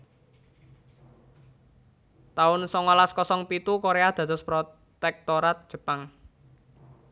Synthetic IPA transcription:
t̪aʊnsɔŋɔlaskɔsɔŋpit̪ukoɾead̪̥ä̤t̪ʊspɾo | t̪ɛk̚t̪oɾat̪̚d̥ʒ̥ə̤paŋ

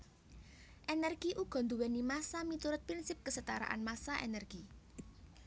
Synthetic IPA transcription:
ʔenɛrɡ̥iʔuɡ̥ɔ̤nd̪uwɛnimasamit̪uɾʊt̪̚pɾinsɪp̚kəsət̪aɾa̰ʔa̰nmasaʔḛnɛrɡ̥i

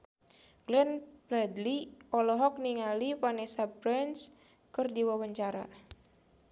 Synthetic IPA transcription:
ɡ̥lɛnblad̪liɔlɔɦɔk̚niŋalipanesabɾɛns | kɨrdiwawəɲt͡ʃaɾa̰

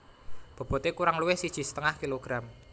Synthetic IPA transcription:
b̥ɔ̤b̥ɔ̤t̪ekuɾaŋluwɪhsid̥ʒ̥i̤sə̥t̪əŋahkiloɡ̥ɾam

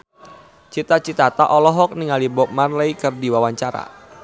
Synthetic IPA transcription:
t͡ʃit̪at͡ʃit̪at̪aʔɔlɔɦɔk̚niŋalibɔp̚manləikɨrdiwawaɲt͡ʃaɾa̰

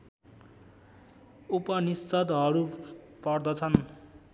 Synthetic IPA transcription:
upʌnist͡sʌd̪ɦʌɾu | pʌrd̪ʌt͡sʰʌn

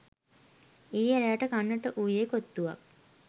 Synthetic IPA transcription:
iːeɾeaʈəkanːəʈəʔuːjeːkot̪ːuʋa̰k̚

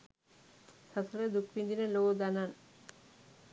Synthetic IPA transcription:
sat̪ʰoled̪ukbind̪inelod̪anan

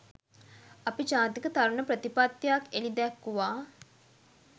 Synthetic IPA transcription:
apid͡ʒaːt̪ikət̪aɾuɳəpɾət̪ipat̪ːjakelid̪ɛkːuʋaː

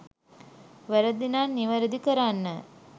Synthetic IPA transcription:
ʋəɾəd̪inaːnːiʋəɾəd̪ikəɾanːə

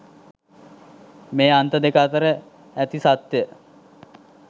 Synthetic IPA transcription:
meːant̪əd̪ekat̪əɾə | æt̪isat̪jə

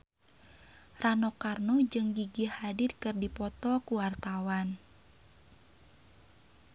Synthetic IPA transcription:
ranɔkarnud͡ʒɨŋɡiɡihadɪtkɨrdipɔt̪ɔkuwart̪awan

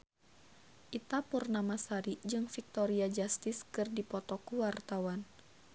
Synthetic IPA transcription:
ʔit̪apurnamasaɾid͡ʒɨŋfik̚t̪ɔɾiad͡ʒast̪ɪskɨrdipɔt̪ɔkuwart̪awan

